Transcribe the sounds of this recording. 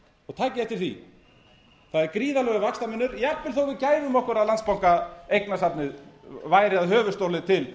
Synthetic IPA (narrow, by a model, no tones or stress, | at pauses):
ɔɣt̪ʰaːcɪɛft̪ɪ̥θḭ | θaðɛɾkɾiːðalœɣʏvakst̪amɪnːʏɾjapːɪl̥θowvɪðcaːjvʏmɔhkʏɾaðlant̪spawŋkaejknasapnɪðvaːjɾɪaðɦœːvʏst̪owlɪt̪ʰɪl